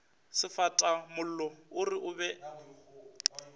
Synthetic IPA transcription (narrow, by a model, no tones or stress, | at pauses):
sɪfatʼamʊl̩lɔʊrɪʔʊbɛ